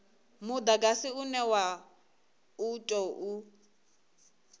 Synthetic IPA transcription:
mʊd̪aɡasɪunɛwa | utʼɔʔu

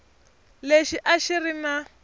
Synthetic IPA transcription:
leʃiʔaʃirina

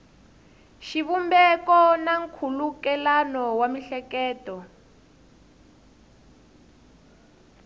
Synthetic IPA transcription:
ʃiβumbɛkɔnaŋkʰulukɛlanɔwamiɬɛkɛːtɔ

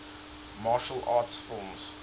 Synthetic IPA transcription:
mɑːʃəlʔɑːtsfɪlˠmz̥

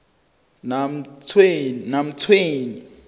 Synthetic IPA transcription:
nat͡sʰːnam̩t͡sʰweːni

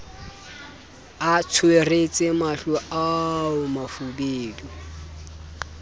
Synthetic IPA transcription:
at͡sʰweret͡sʼɪmaɬʊʔaʊmafubeːdu

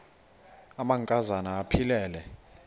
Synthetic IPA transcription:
amaŋkʼazanaːpʰilɛːlɛ

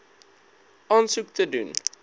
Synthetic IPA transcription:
ʔɑːnsuk̚tədṵn

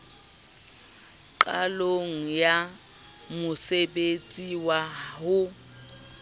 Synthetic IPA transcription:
ǃʼaloŋ̩ja | mʊsebet͡sʼiwahʊ

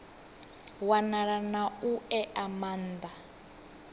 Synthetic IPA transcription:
wanaɺanauɛʔamaːnd̪a

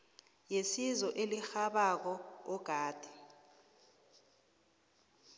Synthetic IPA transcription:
jesizɔʔelixaɓak̬ɔɔɡ̥ʱaːd̥ʱɛ̥

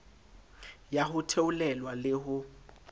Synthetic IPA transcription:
jaɦʊtʰeʊlɛlwalɪɦʊ

